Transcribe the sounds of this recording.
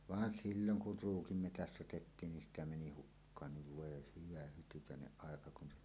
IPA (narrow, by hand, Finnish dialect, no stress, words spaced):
ʋɑːn silːoŋ kur ruːkim metæst otetːiːn nin sitæ meni hukːɑːnːiʋ ʋoˑe hyʋæ hytykæˑeneʔ ʔɑˑekɑ kun